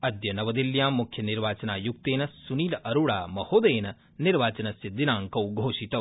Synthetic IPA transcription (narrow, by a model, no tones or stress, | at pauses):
ɐd̪jɐnɐʋɐd̪iljãːmmːukʰjɐniɾʋaːt͡ʃɐnaːjuk̚t̪eːnɐsuniːlɐʔɐɾuɽa̰ːmɐhoːd̪eːnɐ | niɾʋaːt͡ʃɐnɐsjɐd̪inaːŋkɐwɡʱoːʃit̪ɐʋ